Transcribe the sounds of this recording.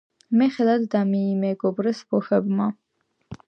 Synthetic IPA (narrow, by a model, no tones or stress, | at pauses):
mɛχɛlad̪ːamiːmɛɡɔbɾɛsbɔχɛbma